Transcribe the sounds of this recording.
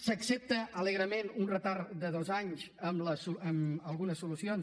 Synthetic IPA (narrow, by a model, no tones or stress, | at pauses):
səksep̚t̪əələɣɾəmenunrət̪aɾd̪əðozaɲzəmləsuəməlˠɣunəsːulusions